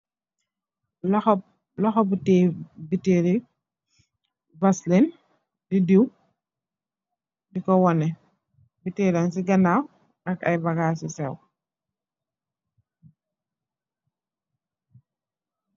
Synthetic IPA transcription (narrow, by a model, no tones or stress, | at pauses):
lɔxɔ | lɔxɔbutɛːbiteɾi | bɐslin | didiw | dikɔwɔnɛ | biteːɾansiɡɐnaw | ʔɐkɐjbɐɡaːsisɛw